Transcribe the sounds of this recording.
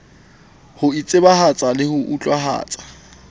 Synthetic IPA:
hʊit͡sʼɪbahat͡sʼalɪhʊʔut͡ɬʼwaɦa̰ːt͡sʼḁ

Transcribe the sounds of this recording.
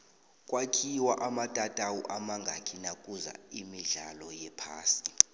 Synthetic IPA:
kʼwakʰiwaʔamatʼatʼawuʔamaŋɡʱakʰinakʼuza̰imiɮalɔjɛpʰaːsi̥

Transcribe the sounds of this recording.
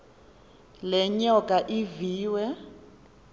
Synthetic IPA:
lɛɲɔkʼaʔiviːwɛ

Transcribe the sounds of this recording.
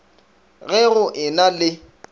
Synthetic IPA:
ɣɛɣʊʔɪnalɪ

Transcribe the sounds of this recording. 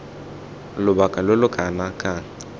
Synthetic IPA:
lʊbakʼalelʊkʼanakʼa

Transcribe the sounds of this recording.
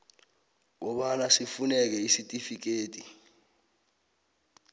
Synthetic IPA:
ŋɔɓanasifunɛk̬ɛisitʼifik̬eːtʼi

